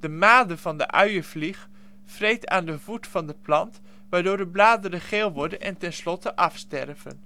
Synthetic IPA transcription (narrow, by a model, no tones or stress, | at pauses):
d̥əmaːdəvɑndə̰ʔœɥəvlix | frejtʰa̰ːndəvutfɑndəplɑnt | ʋaːɹdoːɹdəblaːdərəχeːlˠʋɔɹdənʔɛ̰ntɛnslɔtəʔɑfstɛrvə̰n